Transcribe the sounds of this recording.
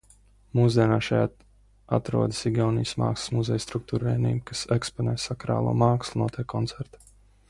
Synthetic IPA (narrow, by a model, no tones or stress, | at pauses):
muzd̪ʲiɛnaːʃaja | a̰t̪ɾṵɔd̪i̥siɡjawniːsma̰ːkslˠsmuzɛjst̪ɾuk̚t̪uːɾvɛːnḭːjmkasɛkspɔnɛ̰ːsakɾa̰ːlˠṵɔːmaːkslˠunuɔt̪ʰʲɛːkʰːɔnt̪sɛɾt̪ḁ